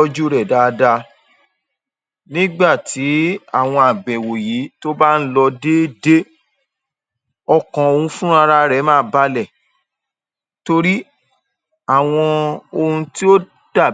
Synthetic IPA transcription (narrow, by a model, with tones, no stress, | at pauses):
ɔ˦d͡ʒu˦ɾɛ˨da˨˦˧da˧ | nĩ˦ɡ͡ba˦˨tʰi˨˦a˦˨w̃ɔ̃˧a˨ɡ͡bɛ̃˨wo˨ji˨˦to˦ba˦n̩˦lɔ˧de˦de˦ | ɔ˧kɔ̃˨o˧hũ˧fũ˦a˧ɾa˦ɾɛ˨˦mãː˦ba˦lɛ˦˨ | to˧ɾi˦ | a˦˨w̃ɔ̃˧o˧hũ˧ti˦o˦ | d̥a˦˨